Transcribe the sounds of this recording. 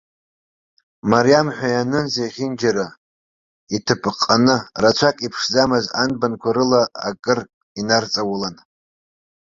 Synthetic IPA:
maɾjamħʷᶣajanɨnzejχʲɪnd͡ʒaɾa | itʰɨpʼqʼːanɨrat͡ʃʷʰakʼipʰʂzamɨzanbankʷʰaɾɨla̰ːkʼɨr | inart͡sʼawʊlan

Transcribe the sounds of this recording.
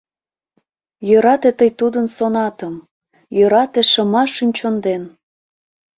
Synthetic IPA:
jøɾɑt̪et̪əjt̪ud̪ənsonɑt̪əm | jøɾɑt̪eʃəmɑʃynʲt͡ɕond̪en

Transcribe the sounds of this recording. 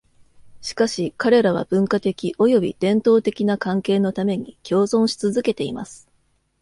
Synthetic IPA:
ɕi̥kaɕikaɾe̞ɾaβ̞a̰b̥ɯ̟̃ŋkat̪e̞kʲiʔo̞jo̞bʲḭd̪̥ẽ̞nt̪o̞ːt̪e̞kʲinakãŋke̞ːno̞t̪ame̞ɲ̟ikʲo̞ːzõɰ̃ɕi̥t͡sɨzɨke̞t̪e̞ima̰sɨ̥

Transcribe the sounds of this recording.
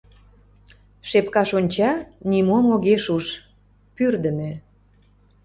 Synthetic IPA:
ʃepkɑʃonʲt͡ɕɑnimomoɣeʃuʃ | pyrd̪ə̆me

